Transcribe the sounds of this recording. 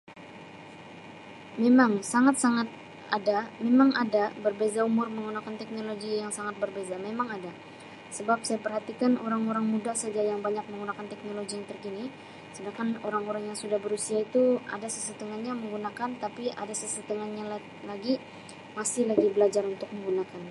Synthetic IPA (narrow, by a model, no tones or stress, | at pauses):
memaŋsaŋat̪̚saŋat̪̚ | adamemaŋadabərbezaumʊrməŋɡunakant̪ɛk̚noloɡijaŋsaŋat̪̚bərbezamemaŋada | səbap̚sajapərhat̪ikanoɾaŋoɾaŋmudahsad͡ʒajaŋbaɲak̚məŋɡunakant̪ɛk̚noloɡijaŋt̪ərkini | sədaŋkanoɾaŋoɾaŋjaŋsudahbəɾusiait̪ua̰dasəsət̪əŋanɲaməŋɡunakant̪apiʔadasəsət̪əŋanɲal | laɡi | masɪhlaɡibəlad͡ʒaɾunt̪ʊk̚məŋɡunakan